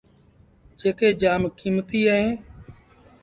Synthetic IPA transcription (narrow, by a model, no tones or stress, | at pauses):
d͡ʒeːkeːd͡ʒaːmkiːmt̪iːəɦẽː